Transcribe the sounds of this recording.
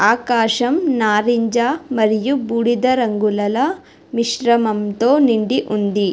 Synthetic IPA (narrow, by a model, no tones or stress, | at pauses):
aːkaːʃɐmnaːɾiɲd͡ʒaːmɐɾijubuːɽid̪ɐɾɐŋɡulɐlɐ | miʃɾɐmɐmt̪o̞ːniɳɖiʔund̪i